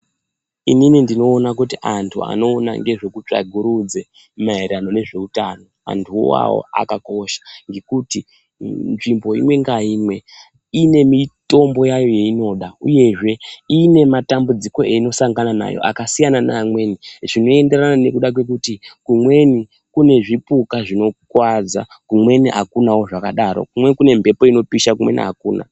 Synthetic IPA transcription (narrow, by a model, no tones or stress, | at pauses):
ininindino̞ːnak̬utiʔantʰua̰no̞ːna̰ŋɡe̞ʐo̞kut͡ʂa̰ɡʱuɾud͡ze̞ | maeɾano̞ne̞ʐe̞utano̞ | a̰ntʰṵwa̰wo̰a̰kako̞ʃḁŋɡe̞kuti | nʐimbo̞ḭmwe̞ŋɡaiːmwe̞ | ine̞mito̞mbo̞jajo̞je̞ino̞ːɗauje̞ʐe̞ine̞matambud͡ziko̞eino̞saŋɡanana̰jo̰ʔa̰kasijanana̰mwe̞niʐino̞e̞nde̞ranane̞kuɗak̬we̞k̬utikumwe̞ni | kune̞ʐipukaʐino̞kwad͡za̰kumwe̞niʔa̰kunawo̞ʐakaɗaɾo̞̰kumwe̞kune̞mbʱe̞po̞ino̞piʃak̬umwe̞̰nḭɦakuːna̰